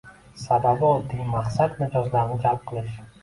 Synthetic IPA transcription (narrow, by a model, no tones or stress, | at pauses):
sababɪɒlˠd̪ɪŋmaqsad̪nɪd͡ʒɒzlaɾnɪd͡ʒalˠp̚qʰɨlˠɪʃ